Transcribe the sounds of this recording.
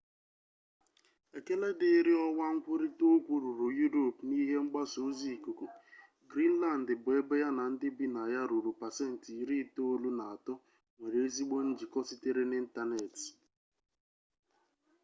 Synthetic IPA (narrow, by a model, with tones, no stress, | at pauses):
e˨ke˦le˦dɪ˨˦ɾɪ˦ɔ˦wa˦ŋ̩˦kʷʊ˦ɾi˦to˦kʷu˨ɾu˨ɾu˨ju˦ɾo˨pni˦ɦe˦ŋ͡m̩˦ɡ͡ba˦so˨˦zi˨ku˨ku˨ | ɡɾi˦n̩˦la˦˨n̩˨dɪ˨bʊ˨e˦be˦ja˦na˨n̩˦dɪ˦bi˦na˨ja˦ɾu˨ɾu˨pa˨se˦n̩˨ti˨ɾi˦to˦lu˦na˨a˨tɔ˦ | ŋʷe˨ɾe˨e˦zi˦ɡ͡bo˦n̩˦d͡ʒi˨kɔ˦sɪ˦te˦ɾe˦ni˦n̩˦ta˦ne˨t